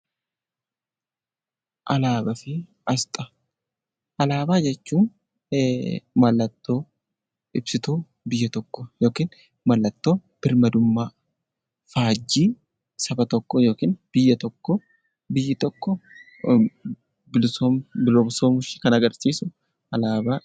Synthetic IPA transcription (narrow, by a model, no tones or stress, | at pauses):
ʔɐlaːbɐfɪ | ɐst̪ʼɐ̥ | ʔɐlaːbaːd͡ʒɛt͡ʃːuːn | mɐlːɐt̪ːo̞ː | ɪbsɪt̪uː | bɪjːɐt̪ɔkːɔjo̞ːkiːn | mɐlːɐt̪ːo̞ːb̥ɪɾmɐd̪ʊmːa | faːd͡ʒːiː | sɐbɐt̪ɔkːɔjo̞ːkiːnb̥ɪjːɐt̪ɔkːɔ | bɪjːɪt̪ɔkːɔ | bɪlsombɪloːbsoːmʊʃɪ̥kɐnɐɡɐɾsiːsʊ | ʔɐlaːbaː